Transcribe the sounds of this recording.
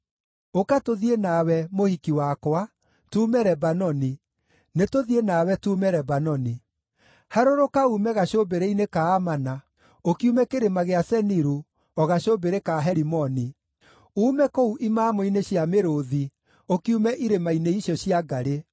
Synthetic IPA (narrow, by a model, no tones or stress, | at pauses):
okatoðienawɛmohikiwakwa | tuːmɛɾɛbanɔni | netoðienawɛtuːmɛɾɛbanɔni | haɾoɾokaumɛɣaɕobeɾeinekaːmana | okiumɛkeɾemaɣeasɛniɾu | ɔɣaɕobeɾekaɦɛɾimɔni | uːmɛkouʔimaːmoineɕjameɾoði | okiumɛʔiɾemaineiɕɔɕiaɡaɾe